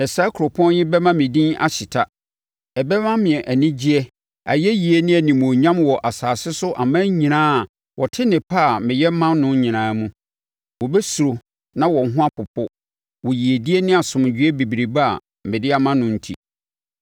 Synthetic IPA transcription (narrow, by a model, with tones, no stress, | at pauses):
ɛ˨sa˦kʰʊ˨ɾʊ˨pʰɔ̃˦jɪ˦bɛ˦mã˦mɪ̃˨dĩ˦na̰˦ɕɪ˨tʰa˦ | ɛ˨bɛ˦mã˦mɪ̃˨ɛ˨ʔæ˨nɪ̃˦d͡ʑi˦ɛ˦ | a̰˨jɛ˦ji˨e˦nɪ̃˦æ˨nĩ˨mɔ̃˨ɲã˦mwɔ˨ʔa˨saː˨sɪ˦sʊ˦ʔa˨mã˦ɲĩ˨nãː˦˨ | wʔɔ˨tʰɪ˦nɪ̃˨pʰa˦˨mɪ̃˨jɛ˦mã˦nnʊ̃˦ɲĩ˨nãː˨˦mũ˦ | wɔ˨bɛ˦su˨o˨ | nã˦wɔ˨ŋ˦ɦʊ̃˦a˦pʰʊ˨pʰʊ˦ | wɔ˨ji˨e˨di˦ɛ˦nɪ̃˦a˨sʊ̃˨m˨d͡ʑᶣɥɛ˦bi˨bi˨ɾi˨ba˦a̰˨ | mɪ̃˨dɪ˦a˦mã˦nʊ̃˦n̩˦tʰḭ˨